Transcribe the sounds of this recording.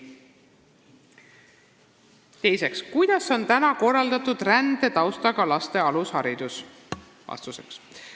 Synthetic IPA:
t̪e̞jse̞kskujd̪̥ɑso̞nt̪ænɑko̞rːɑld̪ɑt̪ːud̪rænd̪e̞t̪ɑwst̪ɑɡ̥ɑlɑst̪e̞ɑlushɑɾid̪̥us | vɑ̰st̪useks

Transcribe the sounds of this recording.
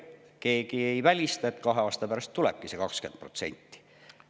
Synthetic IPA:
ke̞ːkiejvælʲist̪ɑet̪kɑɦeɑːst̪ɑpæɾɑst̪ːulɛ̰b̚kisekɑkske̞nd̪̥̚pro̞t̪se̞̰nʲt̪ːi̥

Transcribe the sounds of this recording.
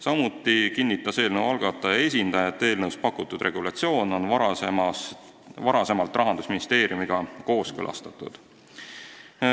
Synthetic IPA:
sɑmut̪ːˑikinʲːit̪ːˑɑse̞ːlnəwɑlɡ̥ɑt̪ːˑɑjɑe̞s̬ʲind̪̥ɑjɑet̪ːe̞ːlnəwspɑkːˑut̪ːˑud̪̥rʔe̞ɡ̥ulɑt̪sio̞ːno̞nvɑe | vɑɾɑse̞mɑlt̪ːˑrɑɦɑnd̪usminist̪e̞ːɾjumiɡ̥ɑko̞ːskɤ̰lʔɑ̰st̪ɑ̥t̪ːˑṵd̪̥

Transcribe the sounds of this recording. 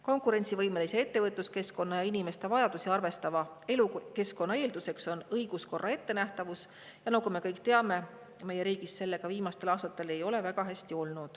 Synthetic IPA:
ko̞ŋkˑuɾe̞nʲt̪sivɤjme̞lisee̞t̪ːe̞vɤt̪luske̞sko̞nːɑjɑinime̞st̪e̞vɑjɑd̪̥usiɑrve̞st̪ɑvɑeluke̞sko̞nːɑe̞ːld̪use̞kso̞nɤjɡ̥usko̞rːɑe̞t̪ːe̞næht̪ɑvus | jɑnɑkume̞kɤjkˑt̪eɑme̞ | me̞je̞ɾiːɡ̥isse̞lːe̞ɡ̥ɑviːmɑst̪e̞lɑːst̪ɑt̪ːˑe̞le̞jo̞le̞væɡɑɦæsʲt̪io̞lnud̪̥

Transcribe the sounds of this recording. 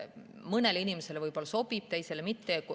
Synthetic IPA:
mɤneleinʲimese̞levɤjbo̞lːɑso̞b̥ib̥t̪e̞jse̞lemit̪ːek

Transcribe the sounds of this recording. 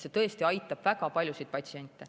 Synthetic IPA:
se̞t̪ɤ̞est̪iɑjt̪ːˑɑb̥væɡɑpɑlʲjusijd̪̥̚pɑt̪sienʲt̪ːˑe

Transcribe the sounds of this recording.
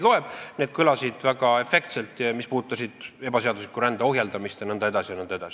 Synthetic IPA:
lo̞e̞b̥ned̥̪̚kylɑsid̪̥væɡ̥ɑe̞fe̞kt̪se̞lt̪ˑɑmispuːt̪ːˑɑsid̪̥e̞b̥ɑse̞ɑd̪uslikːˑuɾænd̪̥eo̞ɦjeld̪̥ɑmist̪jɑnɤnd̪ɑe̞d̪ɑsijɑnɤnd̪ɑed̪ɑsi

